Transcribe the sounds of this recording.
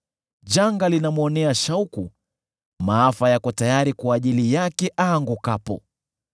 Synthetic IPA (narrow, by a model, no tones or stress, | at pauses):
ʄaŋɡalinamuɔnɛaʃauku | maafajakɔtajaɾikwaːʄilijakɛʔaːŋɡukapɔ̰